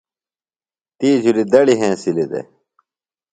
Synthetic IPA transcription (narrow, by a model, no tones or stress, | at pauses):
t̪iːd͡ʑulid̪ɐɽiɦẽːsilid̪ḛ